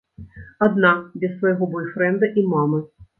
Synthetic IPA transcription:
ad̪nabʲɐsvɐjɣɔbɔjfɾɛnd̪ɐʔimamɨ

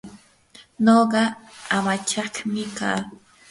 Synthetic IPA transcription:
noɢɑamat͡ʃɑhmɪka̰ː

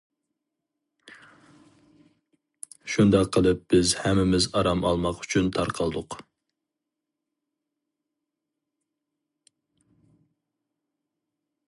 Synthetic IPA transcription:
ʃund̪ɑqʰːəlˠɨp̚b̥ɪzhɛmːɪmɪzɑɾɑmɑlˠmɑqy̥t͡ʃʰynt̪ʰɑɾqʰɑlˠd̪ʊq

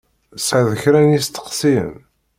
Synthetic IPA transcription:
sʕæðəçɾænjist̪ːə̥qsḭm

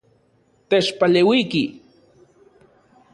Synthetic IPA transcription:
t̪eʃpalewijkɪ

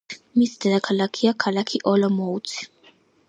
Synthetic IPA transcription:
misd̪ad̪akʰalakʰiakʰalakʰiʔɔlɔmɔut̪sʰi̥

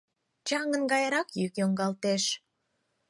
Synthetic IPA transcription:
t͡ɕɑŋənɡɑjɾɑkjykjoŋɡɑlt̪eʃ

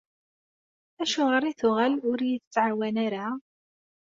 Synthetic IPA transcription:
æʃʊʁəɾˤiθʊʁælʊɾjəθt͡sːʕawænaɾa

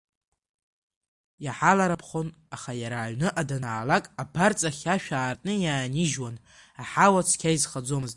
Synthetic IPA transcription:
jaħalaɾapʰχon | aχajaɾaːʕnɨʔadanaːlakʼabart͡sʼaχʲaʃᶣaːrtʼnɨjaːniʒwan | aħawat͡sʰkʲʰaizχad͡zo̞mɨztʼ

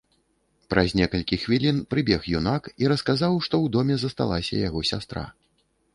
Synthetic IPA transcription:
pɾʔɐzʲnʲɛkɐlʲkʲixvʲilʲinpɾɨbʲɛxjunakiɾɐskazawʂt̪ɔwd̪ɔmʲɛzɐst̪a̰lˠasʲɐ̰jaɣɔsʲast̪ɾa̰

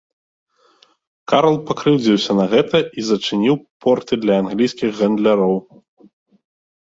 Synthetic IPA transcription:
kaɾɐlˠpakɾɨwd͡zʲiwsʲɐnɐɣɛt̪ʰɐʔizɐt͡ʂɨnʲiwpʰɔrt̪ɨd̪lʲɐanɣlʲijsʲkʲiɣɣɐnd̪lʲaɾɔw

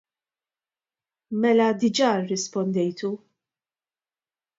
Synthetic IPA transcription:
mɛlɐd̪ɪd͡ʒɐrːɪspɔnd̪ɛjt̪u

